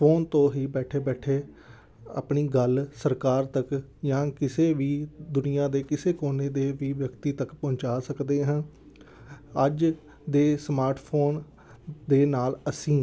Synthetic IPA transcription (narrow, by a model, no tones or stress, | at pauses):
pʰoːnt̪õːɦiːbɛːʈʰeːbɛːʈʰeː | a̰ːpɳiːɡəlsəɾkaːɾt̪əkjãːkɪseːʋiːd̪ʊnɪjãːd̪eːkɪseːkoːneːd̪eːʋiːʋjəkt̪iːt̪əkpɔ̃ːɲt͡ʃaːsəkd̪eːɦə̃n | əd͡ʒ | d̪eːsmaːɾʈʰpʰoːn | d̪eːnaːləsĩː